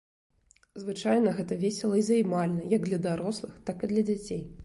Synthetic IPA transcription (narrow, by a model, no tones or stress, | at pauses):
zvɨt͡ʂajnɐɣɛt̪ɐvʲesʲɛlˠɐizɐjmalʲnɐjaɡ̚d̪lʲɐd̪aɾɔslˠɨxt̪akid̪lʲɐd͡zʲat͡sʲej